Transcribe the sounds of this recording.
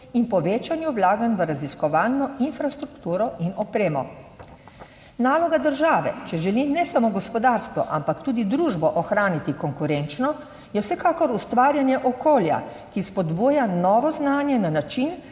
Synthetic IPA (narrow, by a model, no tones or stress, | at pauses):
inpɔʋeːt͡ʃanjuʋlaːɡanʋəɾaziskɔʋaːlnɔinfɾast̪ɾukt̪uːɾɔʔinɔpɾeːmɔ | naːlɔɡad̪əɾʒaːʋɛ̰t͡ʃɛʒɛlinɛsamoɡɔspɔd̪aɾst̪ʋɔ̰ʔa̰mpakt̪uːd̪id̪ɾuːʒbɔʔɔxɾaːnit̪ikɔŋkuɾent͡ʃnɔ | jɛwsɛkaːkɔɾust̪ʋaːɾjanjɛʔɔkoːlja̰ | kispɔd̪buːjanɔːʋɔznaːnjɛnanat͡ʃin